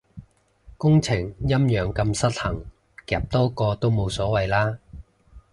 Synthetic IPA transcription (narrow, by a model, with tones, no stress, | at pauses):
kʊ˥ŋt͡sʰɪ˨˩ŋjɐ˥mjœː˨˩ŋkɐ˧msɐ˥t̚hɐ˨˩ŋ | kɛː˨˩p̚t̪ɔː˥kɔː˧t̪o˥wmo˨˧wsɔː˨˥wɐ˨jlaː˥